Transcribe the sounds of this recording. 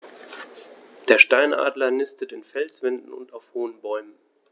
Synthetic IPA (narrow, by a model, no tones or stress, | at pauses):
d̥eːɐʃtaɪnʔa̰ːdlɐnɪstətɪnfɛlsv̥ɛndn̩ʊ̰ntaʊfhoːənbɔʏmən